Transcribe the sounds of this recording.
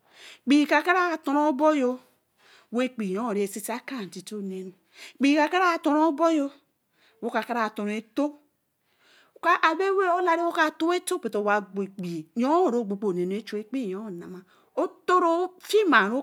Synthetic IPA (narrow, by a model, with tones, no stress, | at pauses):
k͡pi˨ka˨ka˦ɾa˦˨to˨ɾo˦bo˦jo˦ | we˦k͡pi˨jo˦o˨ɾi˨e˨si˦sa˦ka˦˨ti˨to˦˨ne˨nu˨ | k͡pi˨ka˨ka˦ɾa˦˨to˨ɾo˦bo˦jo˦ | wo˦ka˨ka˦ɾa˦˨to˨ɾo˨e˨to˦˨ | ka˦ʔa˨be˦we˦o˦la˦ɾi˦wo˦ka˦˨to˦e˦to˦pe˨to˨wa˨ɡ͡be˨k͡pi˨jo˦o˨ɾo˦˨ɡ͡bo˨k͡po˨ne˨nu˨˦e˦t͡ʃo˦e˦k͡pi˦˨jo˦˨na˨ma˨ | o˦to˦ɾo˦fi˦ma˨ɾo˦